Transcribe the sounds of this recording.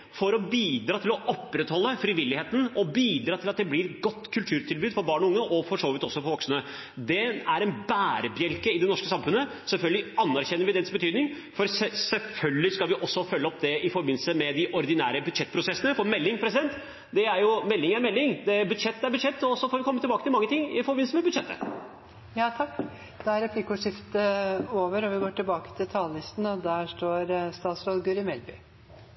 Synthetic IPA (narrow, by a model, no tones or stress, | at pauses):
fɔɾɔbiːd̪ɾɑːt̪ʰɪlɔʔɔpːɾɛt̪hɔlːəfɾɪʋɪlːɪheːt̪ən̩ɔbiːd̪ɾɑːt̪ʰɪlɑt̪̚d̪ɛblɪɾɛɡɔt̪ːkʰʉlt̪ʰʉːɾt̪ʰɪlbʉːd̪fɔɾbɑːɳɔʊŋːəʔɔfɔʂoːʋɪt̪ɔsːɔfɔɾʋɔksənə | d̪ɛæɾɛnbæːɾəbjɛlkəɪd̪ɛnɔʂkəsɑmfʉnə | sɛlfœlɡəlɪɑnːæɾçɛnːəɾʋɪd̪ɛnsbət̪ʰyːd̪nɪŋ | fɔɾsɛsɛlfœlɡəlɪskɑlʋɪʔɔsːɔfœlːəɔpd̪ɛɪfɔɾbɪn̩səmɛd̪ɪʔɔɾd̪ɪnæːɾəbʉd̪ʂɛt̪ːpʰɾʊsɛsːənəfɔɾmɛlːɪŋpʰɾɛsɪd̪ɛnt̪ | d̪ɛæɾjʊmɛlːɪŋæɾmɛlːɪŋd̪ɛbʉd̪ʂɛt̪ːæɾbʉd̪ʂɛt̪ːɔsɔfoːɾʋɪkʰɔmːət̪ʰɪbɑːkəɪlmɑŋːət̪ʰɪŋːɪfɔɾbɪn̩səmɛbʉd̪ʂɛt̪ʰːə̰ | jɑːt̪ʰɑkː | d̪̥ɛæɾɛpʰlɪkʊʂɪft̪əoːʋəɾɔʋɪɡoːʈɪlbɑːkə̥t̪ʰɪlt̪ʰɑːlːɪst̪n̩ɔd̪æʂʈoːɾst̪ɑːt̪sɾoːd̪ɡʉɾɪmɛlbʏ